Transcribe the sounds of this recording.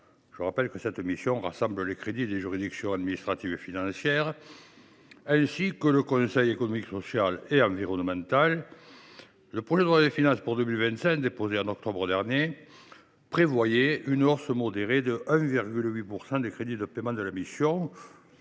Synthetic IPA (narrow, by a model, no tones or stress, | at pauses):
ʒ̥əʁapɛlkəsɛt̪misjɔ̃ʁasɑ̃mbləlekχed̪id̪eʒyʁid̪iksjɔ̃ad̪minist̪χat̪ivefinɑ̃sjɛʁ | ɛ̃sikələkɔ̃sɛjekonɔmiksɔsjaleɑ̃viʁɔnəmɑ̃t̪al | əpχɔʒed̪əʁad̪əfinɑ̃sə̥puʁd̪əmilvɛ̃nt̪sɛ̃kd̪epozeɑ̃nɔk̚t̪ɔbʁəd̪ɛʁnje | pχevwajɛynɔʁsəmɔd̪eʁed̪əʔɛ̃viʁɡylɥipuʁsɑ̃d̪ekχed̪id̪əpemɑ̃d̪əlamisjɔ̃